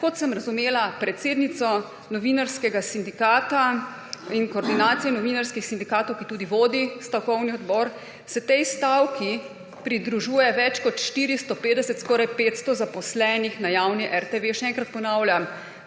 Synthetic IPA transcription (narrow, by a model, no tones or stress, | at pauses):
kɔt̪sɛmɾazumeːlapɾɛt̪seːd̪nit̪sɔ | nɔʋinaɾskɛɡasind̪ikaːt̪a | inkoːɾd̪inaːt̪sijɛnɔʋiːnaɾskixsind̪ikaːt̪ɔwkit̪uːd̪iʋoːd̪ist̪awkɔwniɔd̪bɔːɾ | sɛt̪ɛjst̪awki | pɾid̪ɾuʒuːjɛʋɛt͡ʃkɔt̪ʃt̪iːɾist̪ɔpeːd̪ɛsɛt̪skɔːɾajpeːt̪st̪ɔzapɔslɛnixnajaːwniʔɛɾt̪eʋeʃɛɛŋkɾat̪̚pɔnawlja